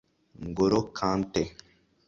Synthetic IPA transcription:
ŋɡoɾokʰãntɛ

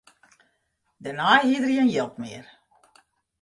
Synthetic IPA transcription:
dənaːɦiːdəriənjɪlˠpmiər

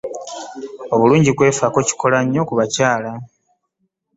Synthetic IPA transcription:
o̞βuluːɲɟikwe̞ːfako̞ci̥ko̞laɲːo̞kuβacaːla

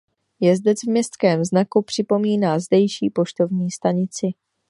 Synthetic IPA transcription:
jɛzdɛt͡svmɲɛst̪kɛːmznakupr̝̥ɪpo̞miːnaːzdɛjʃiːpo̞ʃt̪o̞vɲiːst̪aɲɪt͡sɪ

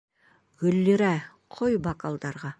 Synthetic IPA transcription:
ɡɵlːeɾæ | qʰojbɑkɑlˠd̪ɑɾʁɑ

